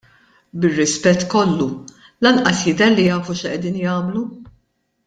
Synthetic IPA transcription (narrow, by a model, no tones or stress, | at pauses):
bɪrːɪspɛt̪ːkɔlːu | lɐnʔɐsjɪd̪ɛɾlijɐːfuʃʔɛd̪iːnjɐːmlu